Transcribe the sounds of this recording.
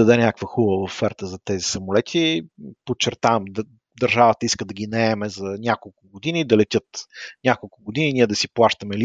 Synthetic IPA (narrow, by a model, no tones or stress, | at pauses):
ɐd̪ɛnʲakvəxubəvəvəfɛɾt̪əzɐt̪ɛzisɐmolɛt̪ʰipot͡ʃːɛɾt̪avɐmd̪ | d̪ɐɾʒavət̪əiskəd̪ɐɡʲinɐɛmɛzɐnʲakolˠkʊɡod̪inid̪ɐlɛt̪ʲjɤt̪nʲjakolˠkʊɡod̪ininiɛd̪ɐsiplˠaʃt̪əmɛli